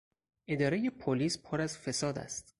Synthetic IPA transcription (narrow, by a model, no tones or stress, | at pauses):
ʔe̞d̪ɒːɾeje̞pʰoliːspʰoɾæzfe̞sɒːd̪æ̰st̪